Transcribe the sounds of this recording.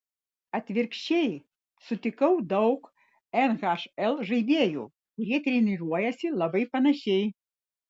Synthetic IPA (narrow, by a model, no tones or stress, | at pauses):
ɐt̪ʲvʲirkɕej | sʊt̪ʲɪkɔwd̪ɔwk | ɛnɣaʂɛlˠʐɨjbʲejṵ | ɾʲet̪ɾʲinɨʐɔjɐsʲilˠɐbɨjpɐnɐɕʲej